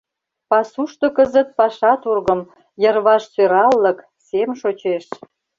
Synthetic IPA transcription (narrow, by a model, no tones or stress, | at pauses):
pɑsuʃt̪okəzə̆t̪̚pɑʃɑt̪urɣəm | jərβɑʃsøɾɑlːə̆k | semʃot͡ɕeʃ